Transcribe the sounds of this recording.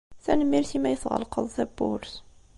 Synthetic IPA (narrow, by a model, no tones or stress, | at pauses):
θænəmːilθimæjəθʁə̰lqə̰ðˤθæbːʊ̰ɾs